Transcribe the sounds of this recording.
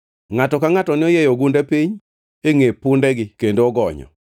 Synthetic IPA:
ŋatɔkaŋatɔnɪɔjɛjɔɡundɛpiɲ | eŋepʊndɛɡɪkendoɔɡɔɲɔ̰

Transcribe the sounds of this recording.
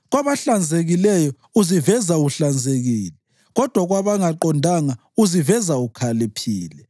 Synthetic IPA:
ɣwaβaɬand͡zʱeɣilɛjɔ | uzivɛzauɬand͡zʱeɣiːlɛ | ɣɔd̥ʱwaɣwaβaŋaǃɔndʱaŋa | uzivɛzaukʰalipʰiːlɛ

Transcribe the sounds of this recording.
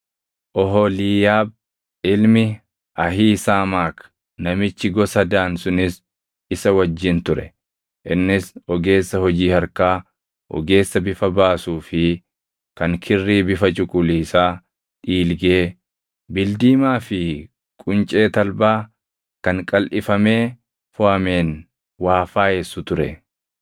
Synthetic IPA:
ʔɔɦɔliːjaːb̚ | ɪlmɪ | ʔɐɦiːsaːmaːk | nɐmɪt͡ʃːɪɡɔsɐd̪aːnsʊnɪs | ɪsɐwɐd͡ʒːɪnt̪ʊɾɛ̰ | ʔɪnːɪsɔɡe̞ːsːɐhɔd͡ʒiːhɐɾkaː | hɔ̰ɡe̞ːsːɐbɪfɐbaːsuːfɪ | kɐŋkʰɪrːiːbɪfɐt͡ʃʼʊkʼʊliːsaː | ᶑʼiːlɡeː | bɪld̪iːmaːfɪ | kʼʊnt͡ʃʼe̞ːt̪ɐlbaː | kɐŋkʼɐlʔɪfɐme̞ː | fʊɐme̞ːn | waːfaːjeːsːʊt̪ʊɾɛ

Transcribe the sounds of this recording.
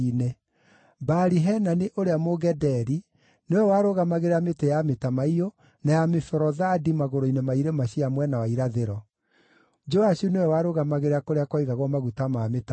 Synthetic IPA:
ne | baɾiɦɛnaneʔoɾeamoɣɛdɛɾi | newɛwaɾoɣamaɣeɾeametejametamaio | najamefɛɾɔðadimaɣoɾoinemaiɾemaɕiamwɛnawaiɾaðeɾɔ | d͡ʒɔaɕunewɛwaɾoɣamaɣeɾeakoɾeakwɔiɣaɣwɔmaɣutamameta

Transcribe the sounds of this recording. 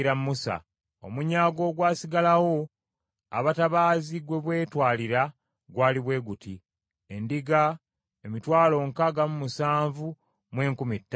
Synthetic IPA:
ɾamːusa̰ | o̞̰muɲaːɡo̞ːɡwaːsiɡalawo̞ | a̰βataβaːziɡwe̞βwe̞ːtwaːliɾa | ɡwaːliβwe̞ːɡuti | e̞ndiɡa | e̞mitwaːlo̞ŋkaɡamumusaːɱvu | mwe̞ːŋkumitːa

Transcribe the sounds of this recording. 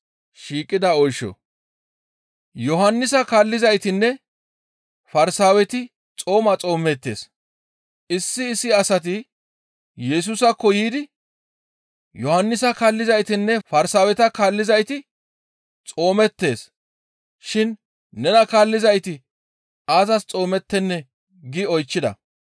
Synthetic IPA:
ʃiːkʼːɪd̪ɐɔjʃɔ̰ | jɔɦɐnːɪsɐkaːlːɪzɐjt̪ɪnːɛ | fɐɾsaːwɛt̪ɪ | t͡sʼo̞ːmɐt͡sʼo̞ːmɛt̪ːe̞̰ːs | ʔɪsːɪːsːɪɐsɐt̪̬ɪ | jɛs̬usɐkːɔjiːd̪ɪ | jɔhɐnːɪsɐkaːlːɪzɐjt̪ɪnːɛfɐɾsaːwɛt̪ɐkaːlːɪzɐjt̪ɪ | t͡sʼo̞ːmɛt̪ːe̞ːs | ʃɪn | nɛnɐkaːlːɪzɐjt̪ɪ | aːzɐst͡sʼo̞ːmɛt̪ːɛnːɛ | ɡɪɔjt͡ʃːɪd̪ɐ̰

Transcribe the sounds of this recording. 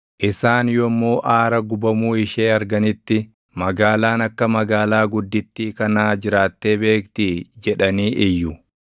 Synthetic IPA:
ʔɪsaːnjɔmːoːʔaːɾɐɡʊbɐmuːɪʃe̞ːɐɾɡɐnɪt̪ːɪ | mɐɡaːlaːnɐkːɐmɐɡaːlaːɡʊd̪ːɪt̪ːiːkɐnaːd͡ʒɪɾaːt̪ːe̞ːbe̞ːkt̪iːd͡ʒɛᶑɐniːʔɪjːʊ

